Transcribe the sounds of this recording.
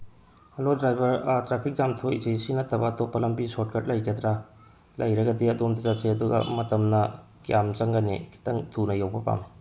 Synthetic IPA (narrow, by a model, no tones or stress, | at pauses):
ɐlodɾajbɐɾtɾapʰik̚zamtʰojzisinɐtʰɐbɐtopːɐlɐmbisot̚kɐt̚lɐjkʰed̪ɾa | lɐjɾɐɡɐdiɐdomdɐzapseɐduɡɐ̰mɐtɐmnɐ | kjamzɐŋɡanḭki̥tɐŋtʰunɐjawbɐpa̰ŋ